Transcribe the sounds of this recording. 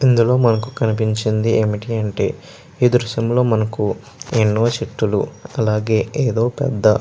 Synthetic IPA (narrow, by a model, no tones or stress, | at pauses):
ind̪ulo̞ːmɐnɐkukɐnip̬iɲt͡ʃind̪iʔe̞ːmiʈiɐɳʈe̞̰ː | iːd̪ɾuʃɐmlo̞ːmɐnɐku | enːoʋɐt͡ʃeʈːuluɐlaːɡe̞ːeːd̪o̞ːpɛ̰d̪ːɐ